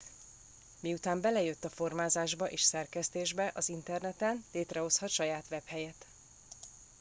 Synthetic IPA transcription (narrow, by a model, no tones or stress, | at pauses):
miut̪aːmbɛlɛjøt̪ːɒfo̞rmaːzaːʒbɒʔeːʃsɛrkɛst̪eːʒbɛʔɒzint̪ɛrnɛt̪ɛnleːt̪rɛɦo̞shɒt̪ʃɒjaːt̪ʋɛphɛjɛt̪